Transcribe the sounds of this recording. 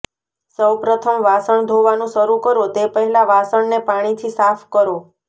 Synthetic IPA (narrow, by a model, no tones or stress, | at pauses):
səwpɾət̪ʰəmʋasəɳd̪ʱoʋanũʃəɾukəɾot̪epəɦɛlaʋasəɳnepaɽ̃it̪ʰisafʰkəɾo